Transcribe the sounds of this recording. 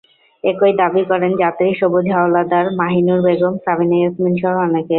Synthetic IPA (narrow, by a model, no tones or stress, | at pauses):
ekojd̪abikɔɾend͡ʑat̪ɾiʃobud̪ʱɦawlad̪aɾmaɦinuɾbeɡomsabineosminʃɔɦoɔneke